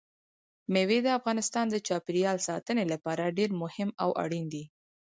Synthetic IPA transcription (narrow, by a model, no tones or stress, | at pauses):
mewed̪əafɣɑnɪst̪ɑnd̪ət͡ʃɑpɪɾjɑlsɑt̪ənelapɑɾaɖeɾmʊhɪmawʔa̰ɽind̪i